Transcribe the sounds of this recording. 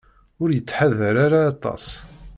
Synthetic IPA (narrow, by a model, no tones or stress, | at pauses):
ʊɾjət͡sːħaðəɾaɾaːt̪ˤɑ̰s